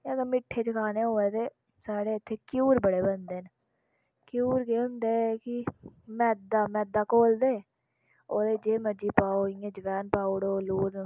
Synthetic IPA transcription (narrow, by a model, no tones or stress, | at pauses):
əɡəmɪʈʰːeːt͡ʃəkʰaːneːɦoːeːt̪eː | saːɽeːɪt̪ʰːeːkjuːɾbəɽeːbənd̪eːn | kjuːɾkeːɦʊ̃nd̪eːkɪmɛːd̪aːmɛːd̪aːkoːld̪eː | oːd̪eːd͡ʒeːməd͡ʒiːpaːoːɪãːd͡ʒəʋɛːnpaːoɽoːluːɾ